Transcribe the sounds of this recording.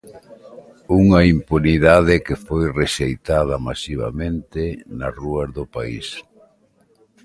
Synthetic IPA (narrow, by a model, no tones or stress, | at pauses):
uŋɐimpuniðað̞ɪkɪfojreʃejt̪aðɐmasiβ̞a̰mẽnt̪ɪnɐsruɐzðʊpaḭs